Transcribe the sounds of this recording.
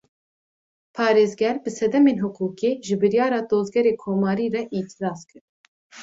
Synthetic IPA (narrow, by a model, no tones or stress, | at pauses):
pʰɑːɾeːzɡɛɾbɨsɛd̪ɛmeːnɦʊkʰuːkeːʒɨbɨɾjɑːɾɑːd̪oːzɡɛɾeːkʰoːmɑːɾiːrɛʔit̪ʰiɾɑːskɨɾ